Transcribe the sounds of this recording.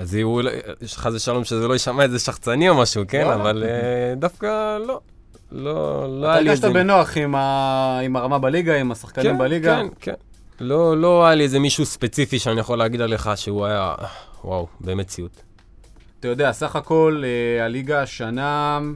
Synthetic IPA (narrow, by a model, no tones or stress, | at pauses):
aziulχazeʃalo̞mʃezelo̞jiʃamaezeʃaχt͡sanio̞maʃukenavaled̪afkalo̞ | lo̰loajaliaʃt̪abeno̞aχimaimaʁamabaliɡaimasaχkanimbaliɡaenkḛn | lolo̞ajalieze̞miʃuspe̞t͡sifiʃeanijaχo̞leːɡid̪ale̞χaʃeuajawa̰wbeme̞t͡siut̪ | atajo̞d̪easaχako̞lealiɡaʃanam